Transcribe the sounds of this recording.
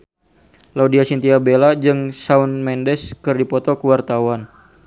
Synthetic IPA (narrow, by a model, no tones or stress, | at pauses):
laudiasint̪iabelad͡ʒɨŋsaunmɛndɛskɨrdipɔt̪ɔkəwart̪awan